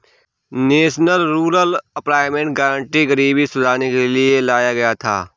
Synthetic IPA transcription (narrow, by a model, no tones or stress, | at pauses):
neːʃnəlɾuːɾəlɐpɾaːɪmẽɳʈ̚ɡɛːɾə̃ɳʈiɡɐɾiːbisʊdʱaːnekelielaːjaɡɐjat̪ʰa̰ː